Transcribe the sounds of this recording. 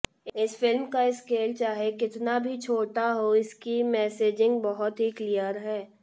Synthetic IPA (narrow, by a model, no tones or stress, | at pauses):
ɪsfɪlmkaɪskeːlt͡ʃaːɦekɪt̪nabʱit͡ʃʰoːʈaɦoɪskimɛːseːd͡ʒɪ̃ŋɡbɐɦʊt̪ɦiklijəɾɦɛː